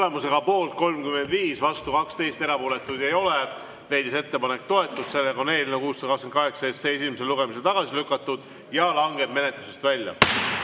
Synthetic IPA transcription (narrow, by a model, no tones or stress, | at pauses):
le̞muse̞ɡ̥ɑpo̞ːlt̪̚ko̞lmkymend̪viːsvɑst̪ukɑkst̪e̞jst̪e̞ɾɑpoːle̞t̪ːˑud̪̥ejo̞le | le̞jd̪̥ise̞t̪ːe̞pɑne̞k̚t̪o̞e̞t̪ːˑud̥̪se̞lːekɑo̞ne̞ːlinekuːst̪ːɑkɑksenkɑɦe̞ksɑest̪sees̬imese̞luɡ̥e̞mis̬elt̪ɑɡ̥ɑsilykːˑɑt̪ːˑud̪̥ | jɑlɑŋɡ̥e̞bme̞ne̞t̪luse̞st̪vælʲːjɑ̰